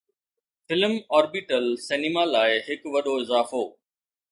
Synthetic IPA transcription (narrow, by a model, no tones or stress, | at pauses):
fɪlmɔːɾbɪʈəlsɛːnɪmalaːɪɦɪkʋɐɗoɪzaːfoː